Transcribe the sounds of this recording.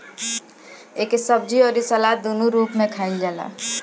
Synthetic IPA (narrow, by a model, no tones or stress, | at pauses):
eːkesəb̚d͡ʒiɔːɾisalad̪onuɾuːpmẽkʰaɪld͡ʒaːla̰